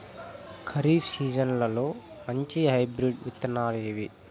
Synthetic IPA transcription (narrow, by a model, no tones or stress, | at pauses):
kʰɐɾiːfsiːd͡ʒɐnlɐlo̞ː | mɐɲt͡ʃiɦɐjbɾiɖʋit̪ːɐnaːɾeːʋi